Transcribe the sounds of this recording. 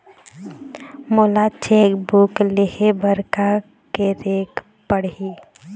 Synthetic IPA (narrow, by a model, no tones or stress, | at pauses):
moːlat͡ʃeːkbukleɦebəɾka | keɾeːk | pəɽɦiː